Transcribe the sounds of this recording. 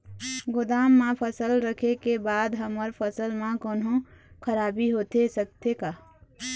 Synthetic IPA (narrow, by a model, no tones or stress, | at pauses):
ɡʊd̪aːmːãpʰəsəlɾəkʰekebaːd̪ɦəməɾpʰəsəlmãkoːnɦõkʰəɾaːbiɦoːt̪esək̚t̪ekaː